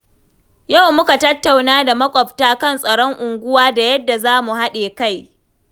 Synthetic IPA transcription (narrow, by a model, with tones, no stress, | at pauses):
ja˦˨wmʊ˦ka˨tɐ˦tːa˨wnaː˦da˨mɐ˦kʷʼɔ˨ptaː˦kɐ˦nsʼɐ˨ɽɔ˦ŋʔʊ˨ŋɡʷʊ˦waː˦da˨jɐ˦dːa˨zaː˦mu˨ha˦ɗeː˨ka˦˨j